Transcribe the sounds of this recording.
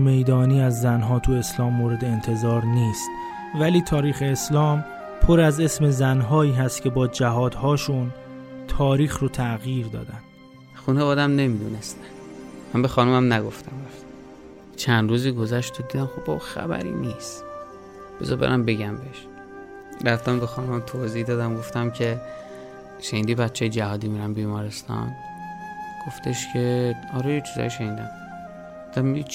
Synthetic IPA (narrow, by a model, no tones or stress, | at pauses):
me̞jd̪ɒːniːæzːænɦɒːt̪ʰue̞slɒːmːoːɾe̞d̪eːnt̪ʰe̞zɒːɾniːst̪ | væliːt̪ʰɒːɾiːxe̞ːslɒːm | pʰoɾæze̞sme̞zænɦɒːiːɦæst̪cʰe̞bɒːd͡ʒæɦɒːd̪hɒːʃunt̪ʰɒːɾiːxɾot̪ʰæɣjiːɾd̪ɒ̰ːd̪ænd̪̥ | xunevɒːd̪æmne̞mid̪uːnest̪æ̥mæmbexɒːnumæmnæɡoft̪æmɡoft̪æ̥ | t͡ʃʰænd̪ɾuːziːɡo̞zæʃt̪ʰod̪iːd̪æmxobɒbuxæ̰bæ̰ɾḭːnist̪ | b̥e̞zɒ̰bḛɾæmbe̞ɟæmbeʃ | ɾæft̪æmbexɒːnomæmt̪ʰozihd̪ɒːd̪æmɡoft̪æmcʰe̞ | ʃeniːd̪iːbæt̪t͡ʃʰejed͡ʒæhɒːd̪iːmiɾæmbiːmɒːɾe̞st̪ɒ̰n | ɡ̥o̞ft̪e̞ʃcʰe̞ɒːɾejet͡ʃʰizɒ̰jiʃeniːd̪æmː | d̪æmmid̪i